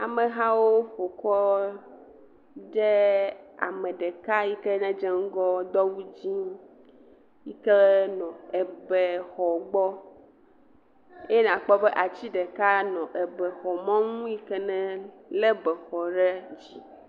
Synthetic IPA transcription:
a˨mẽ˨ɦã˦wo˦ɸo˨kɔ˦ | ɖe˦a̰˨mɛ̃˨ɖe˨ka˦ji˦kɛ˦nɛ̃˦d͡ʒɛ˦ŋ̩˦ɡɔ˦d̪ɔ˦wu˦d͡ʑi˦ | ji˦kɛ˦nɔ̃˨e˨be˨xɔ˨ɡ͡bɔ˦ | e˦nã˨k͡pɔ˦be˦ʔa˨t͡ɕi˦ɖe˨ka˦nɔ̃˨ʔɛ˨bɛ˨xɔ˨mɔ̃˦ŋ̃ũ˦ji˦kɛ˦nɛ̃˦le˦bɛ˨xɔ˨ɖɛ˦d͡ʑi˦

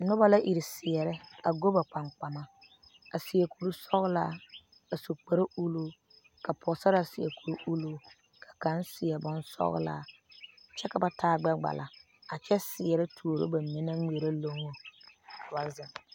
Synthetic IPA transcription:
nʊ˦ba˦la˦ʔi˨ɾɪ˨sɪ˨ɛ˨ɾɛ˦a˨ɡo˦ba˨k͡pa˨ŋ͡mk͡pa˨ma˦ | a˨sɪ˨a˨ku˨ɾu˦sɔ˦ɣla˦ | a˨so˨k͡pa˨ɾa˦u˦lu˦ | ka˨pʰɔ˨sa˦ɾa˦˨sɪ˨a̰˨ku˨ɾu˦ʔu˦lu˦ | kʰa˨ka˦nsɪ˨ɛ˨bʊ˦nsɔ̰˦ɣ̰la̰ː˦ | t͡ʃɛ˦ka˨ba˦tʰaː˦ɡ͡bɛ˦ɡ͡ba̰˨lʔa̰˨ | a˨t͡ʃɛ˦sɪ˨ɛ˨ɾɛ˦tʰu˨o˨ɾo̰˦ba˨mi˦na˦ŋe˨ɾa˦lo˦ŋo˨kʰa˨ba˦zɪ˨ŋ˨

